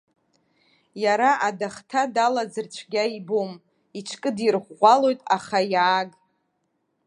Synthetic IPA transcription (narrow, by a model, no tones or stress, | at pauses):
jaɾaʔadaχtʰadalad͡zɨrt͡ʃʷʰɡʲaibom | it͡ʃʰkʼɨdirχʷʁʷalo̞jtʼaχajaːɡʼ